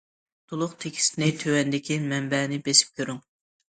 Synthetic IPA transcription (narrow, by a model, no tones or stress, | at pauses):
d̪̥ulˠʊqt̪ʰekʲʰi̥sɪnɪt̪ʰøwɛnd̪ɪkʲimɛmbɛnɪbesɪ̥p̚kʲʰøɾyŋ